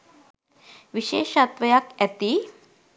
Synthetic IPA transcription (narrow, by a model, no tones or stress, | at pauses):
ʋiɕeʃat̪ʋəjakɛt̪i